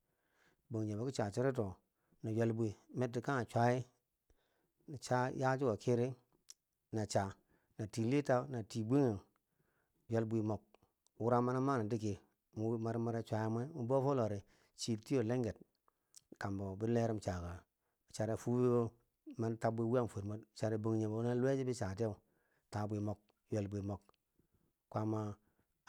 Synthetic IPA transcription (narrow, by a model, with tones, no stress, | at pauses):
bo˨ŋ˨d͡ʒe˨bo˨˦ki˦t͡ʃa˨t͡ʃi˦ɾi˦to˨ | na˨ja˨lbu˦i˨me˦tːi˨ka˦ŋa˨t͡ʃʷa˦ji˦ | na˨t͡ʃa˦ja˦d͡ʒi˦ɡo˨ki˦ɾi˦ | na˨t͡ʃa˨ | na˨ti˨li˦ta˦na˨ti˨bʷi˦ŋe˨n | ja˨lbʷi˨mo˨k̚ | wu˦ɾa˦ma˦na˦ma˦na˨di˦k̬i˨ | mu˨˦ma˨ɾma˦ɾe˦t͡ʃʷa˨ja˦mʷ˦e˦mu˦bo˦fo˦lo˨ɾi˨ | t͡ʃi˨ti˦jo˨le˦ŋɡe˨t̚ | ka˨mbo˨bi˦le˦ɾi˦mt͡ʃa˨ka˨ | t͡ʃa˨ɾe˨fu˦bi˦bo˦ | ma˦n˦ta˦bʷe˦wu˦a˦ŋ˨fo˨ɾmo˦tt͡ʃa˨ɾe˨bo˨ŋɲe˨bo˦na˦le˦d͡ʒi˦bi˦t͡ʃa˨te˦˨u˨ | ta˨bi˨mo˨k̚ | je˨lbʷi˨mo˨k | kʷa˦ma˦